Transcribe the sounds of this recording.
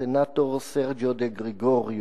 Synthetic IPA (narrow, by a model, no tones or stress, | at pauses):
enat̪oɾsɛɾd͡ʒod̪eɡɾeɡoɾj